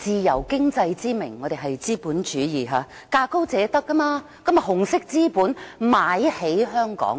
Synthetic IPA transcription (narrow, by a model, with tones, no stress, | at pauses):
t͡siː˨˩jɐ˨˩wkɪ˥ŋt͡sɐ˧jt͡siː˥mɪ˨˩ŋːɔː˨˧ɾe˨˩ɦɐ˨jt͡siː˥puː˨˥nt͡ʃyː˨˥jiː˨˩ɦaː˨˧ | kaː˧ko˥wt͡sɛː˨˧˥t̪ɐ˥kːɐ˥maː˧ | kɐ˨˥mjɐ˨˩hʊ˨˩ŋsɪ˥k̚t͡siː˥puː˨˥nmaː˨˥jhe˨˥jɦœː˥ŋkɔ̰ː˨˥ŋ